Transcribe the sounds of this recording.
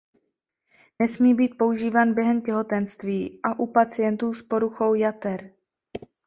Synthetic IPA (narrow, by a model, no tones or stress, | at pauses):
nɛsmiːbiːt̪̚po̞uʒiːvaːnbjɛɦɛmcɛɦo̞t̪ɛnst̪viːʔaʔupat͡sɪjɛnt̪uːspo̞ɾuxo̞wjat̪ɛɾ